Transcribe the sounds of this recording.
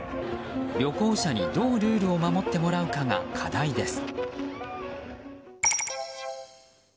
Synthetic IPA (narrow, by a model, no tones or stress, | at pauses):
ɾʲo̞ko̞ːɕaɲ̟id̪o̞ːɾʲɯ̟ːɾɯ̟o̞mamo̞t̪ːe̞mo̞ɾaɯ̟kaŋa̰kʰad̪aid̪e̞sɨ̥